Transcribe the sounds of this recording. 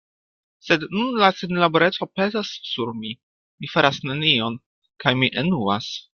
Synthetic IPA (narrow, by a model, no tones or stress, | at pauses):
se̞dnunlasenlaboɾe̞t͡so̞pe̞zasːuɾmi | mifaɾasnenio̞n | kajmiʔenua̰s